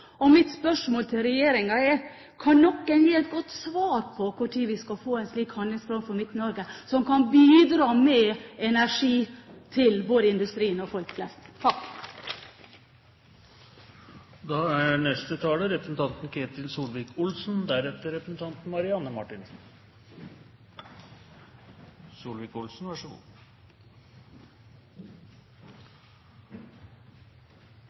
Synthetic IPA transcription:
ɔmɪt̪spœʂmoːlt̪ʰɪlɾɛjeːɾɪŋɑɛɾ | kʰɑnnɔkːənjːiːɛt̪̚ɡɔt̪ːsʋɑːɾpʰɔkʰʊʈʰiːʋɪskɑfoːɛnsliːkhɑnd̪lɪŋsfɾɔːnfɔɾmɪt̪ːnɔɾɡəsɔmkʰɑnbiːd̪ɾɑːmɛɛnæʂiːt̪ʰɪlboːd̪əɪnd̪ʉst̪ɾiːənɔfɔlkflɛst̪t̪ʰɑk | d̪ɑːæɳɛst̪ət̪ʰɑːləɾɛpɾəsn̩t̪ʰɑnt̪n̩kʰeːt̪ɪlsuːlʋɪkʊlsn̩d̪æɾɛt̪əɾɛpɾəsn̩t̪ʰɑnt̪n̩mɑɾɪɑnːəmɑʈɪn | suːlʋiːkʊlsn̩ʋɑʂṵ

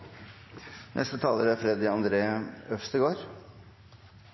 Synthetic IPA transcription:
nʔɛ̰st̪ət̪ʰɑːləɾæfɾɛd̪ɪɑnd̪ɾeːœfst̪əɪɡoːɾ

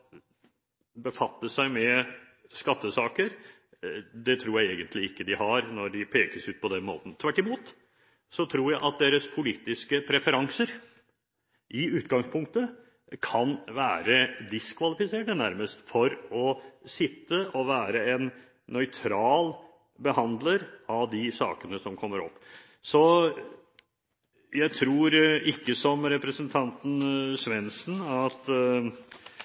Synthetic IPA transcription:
bəfɑt̪ːəsæɪmɛ | skɑt̪ːəsɑːkəɾ | d̪ɛt̪ʰɾuːɾjæɪeːɡənt̪lɪɪkːəd̪ɪhɑɾnɔɖɪpʰeːkəsʉːt̪̚pʰɔd̪ɛnmo̰ːt̪ən̩t̪ʰʋæʈːɪmuːt̪ | sɔt̪ʰɾuːɾjæɪʔɑt̪̚d̪eːɾəspʰʊliːt̪ɪskəpʰɾɛfəɾɑŋsəɾ | ʔɪʉːt̪ɡɑŋspʰʊŋk̚t̪ə | kʰɑnʋæːɾəd̪ɪskʰʋɑlɪfɪseːʈənæɾməst̪fɔɾɔsɪt̪ːəʔɔʋæːɾəɛn | nœʏt̪ʰɾɑːl | bəhɑnd̪ləɾɑʋd̪ɪsɑ̰ːkənəsɔmkʰɔmːəɾɔ̰pː | sɔ | jæɪt̪ʰɾuːɾɪkːəsɔmɾɛpɾəsənt̪ʰɑnt̪n̩sʋɛnsn̩ɑt̪

